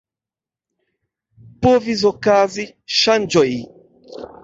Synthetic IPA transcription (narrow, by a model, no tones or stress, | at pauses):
povizɔkazi | ʃand͡ʒɔi